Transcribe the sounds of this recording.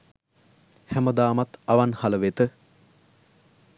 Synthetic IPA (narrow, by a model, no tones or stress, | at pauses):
hæməd̪aːmat̪aʋanhaləʋet̪ə